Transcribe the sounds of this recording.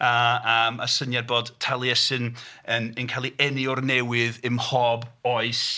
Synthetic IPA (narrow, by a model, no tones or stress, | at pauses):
aəma̰sənjad̚boːdtʰalˠjɛsɨnənənkʰalˠiʔɛnɪɔrnɛwɨðɨmhɔboɨs